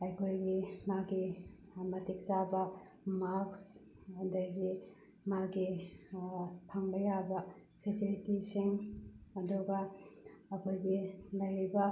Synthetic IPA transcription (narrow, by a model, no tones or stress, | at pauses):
ajkʰojɡimaɡi | mɐtik̚sabɐ | maksdɐjɡi | maɡi | pʰaŋbɐjabɐ | pʰesilitisiŋɐduɡɐː | kʰojɡilɐjɾibɐ